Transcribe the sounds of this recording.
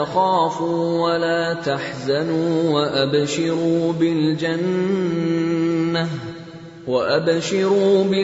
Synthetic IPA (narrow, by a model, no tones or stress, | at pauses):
axaːfuːwalaːt̪aħzanuːwaʔabʃɪɾuːbɪld͡ʒan | a | waʔabʃɪɾuːbɪ